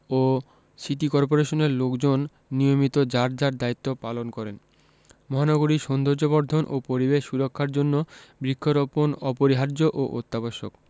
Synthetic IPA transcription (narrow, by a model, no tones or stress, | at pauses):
o | sit̪ikɔɾp̬oɾeʃoneɾlokd͡ʑonː | ijomit̪od͡ʑaɾd͡ʑaɾd̪ait̪ːopalonkɔɾen | mɔɦanɔɡoɾiʃɔnd̪ʱoɾd͡ʑobɔɾd̪ʱonʔo̰poɾibeʃʃuɾokʰːaɾd͡ʑonːobɾikʰːoɾoponɔpoɾiɦaɾd͡ʑoʔoʔot̪ːaboʃo̰k